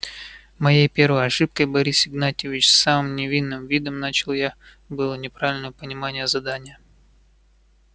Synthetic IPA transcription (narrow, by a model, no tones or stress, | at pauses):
mɐjejpʲe̞ɾvəjɐʂɨp̚kəjbɐɾʲisɪɡnat̪ʲɪvʲɪt͡ɕsːamɨmnʲɪvʲinːɨmvʲid̪əmnat͡ɕɪlˠja | bɨlˠənʲɪpɾavʲɪlʲnəjəpənʲɪmanʲɪjəzɐd̪anʲɪjə